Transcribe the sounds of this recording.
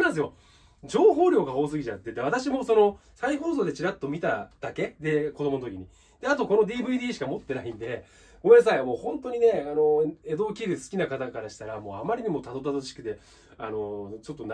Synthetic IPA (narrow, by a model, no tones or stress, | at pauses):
mãs̬ɨjo̞ | d͡ʑo̞ːɦo̞ːɾʲo̞ːɡaɦo̞ːs̬ɨɡʲit͡ɕat̪ːet̪ːeβ̞at̪aɕimo̞so̞no̞ | saiɦo̞ːso̞ːd̪et͡ɕiɾat̪ːo̞mʲit̪ad̪̥ake̞d̪e̞kod̪o̞mo̞nt̪kʲiɲ̟i | d̪̥eat̪o̞ko̞no̞d̪ʲiːbɯ̟id̪iːɕi̥kamo̞t̪ːe̞naĩnd̪e̞ | ɡ̥o̞me̞nas̬aimo̞ːhõ̞nt̪o̞ɲ̟ine̞ano̞e̞d̪o̞ːkʲiɾɯsɨ̥kʲinakat̪akaɾaɕi̥t̪aɾamo̞ːamaɾʲiɲ̟imo̞t̪ad̪o̞t̪̬ad̪ot͡ɕi̥kɯ̟d̪e̞ | ano̞t͡ɕo̞t̪ːon